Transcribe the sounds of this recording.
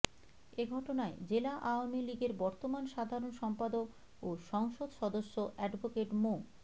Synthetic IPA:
eɡʱɔʈonaed͡ʑelaʔaoamiliɡeɾbɔɾt̪omanʃad̪ʱaɾonʃɔmpad̪ok | oʃɔŋʃod̪ʃɔd̪oʃːoʔɛɖbʱokeʈmo

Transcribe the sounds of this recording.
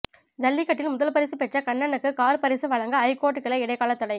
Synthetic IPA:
d͡ʒɐlːɪkːɐʈːɪlmʊðɐlpɐɾɪsɯpɛʈrɐkɐɳːɐnɯkːɯkaːɾpɐɾɪsɯʋɐɻɐŋɡɐɐɪkoːʈːɯkːɪlɐɪɽɐɪkaːlɐt̪ːɐɽɐɪ

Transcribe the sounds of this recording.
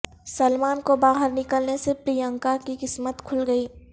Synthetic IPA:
səlmaːnkobaːɦəɾnɪkəlnesepɾijə̃ŋkakikɪsmət̪kʰʊlɡəiː

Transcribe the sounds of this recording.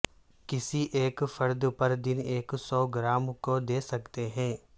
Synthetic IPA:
kɪsiʔeːkfɐɾd̪pɐɾd̪ɪneːksɔːɡɾaːmkod̪eːsɐkt̪eɦɛ̃ː

